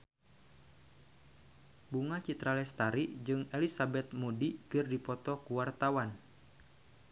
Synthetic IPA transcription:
buŋat͡ʃit̪ɾalɛst̪aɾiʔd͡ʒɨŋɛlisabɛt̪̚mudikɨrdipɔt̪ɔkuwart̪awan

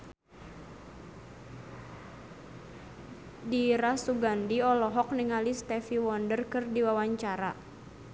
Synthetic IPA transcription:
diɾasuɡandiɔlɔɦɔk̚niŋalist̪ɛfiwɔndərkɨrdiwawaɲt͡ʃaɾa

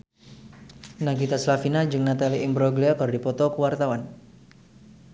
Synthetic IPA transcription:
naɡit̪aslafinad͡ʒɨŋnat̪aliʔɪmbɾɔɡliakɔrdipɔt̪ɔkəwart̪awan

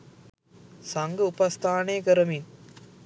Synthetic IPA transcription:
sɐŋɡɐʊpɐst̪ʰaːneːkɐɾɐmin

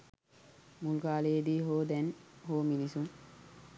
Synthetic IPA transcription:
mulkaːleed̪iːɦoːd̪ɛnhoːminisuŋ

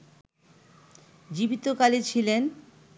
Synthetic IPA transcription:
d͡ʑibit̪okalet͡ɕʰilen

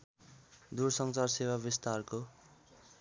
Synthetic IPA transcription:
d̪ursʌŋt͡sarsewabist̪arko

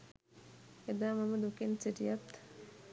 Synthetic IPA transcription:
ed̪aːmɐməd̪ukensiʈijɐt̪

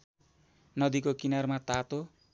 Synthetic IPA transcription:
nʌd̪ikokinarmat̪at̪o

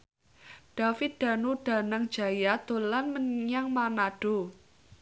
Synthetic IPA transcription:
ɖ̥afɪt̪̚d̪̥a̤nuɖ̥a̤naŋd̥d͡ʒ̥a̤jad̪̥olanməɲɲaŋmanaɖ̥o̤

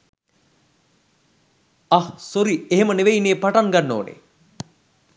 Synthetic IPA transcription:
ahsoɾieɦeməneʋeineːpaʈaŋɡanːo̰ːnḛ

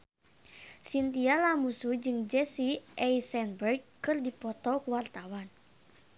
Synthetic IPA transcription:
sint̪ialamusud͡ʒɨŋd͡ʒɛsiʔɛjsɛnbɛrɡkɨrdipɔt̪ɔkuwart̪awan

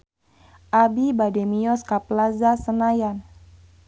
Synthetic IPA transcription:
ʔabibadɛmiɔskaplazasənajan

